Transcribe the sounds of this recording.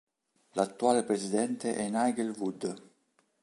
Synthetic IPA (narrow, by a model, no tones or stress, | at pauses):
lat̪ːuaːlepɾezid̪ɛnt̪eʔɛnajɡelvud̪